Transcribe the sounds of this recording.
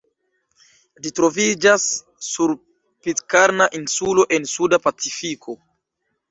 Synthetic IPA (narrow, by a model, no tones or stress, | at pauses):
litɾo̞vid͡ʒasː | uɾ | pitkaɾnaʔinsulo̞ʔe̞nsudapat͡sifikʰo̞